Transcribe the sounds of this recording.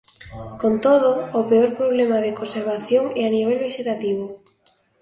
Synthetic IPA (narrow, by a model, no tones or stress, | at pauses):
kont̪oð̞oːpeoɾpɾoβ̞lemaðekonseɾβaθjoŋɛaniβ̞ɛlβeʃet̪at̪iβ̞ʊ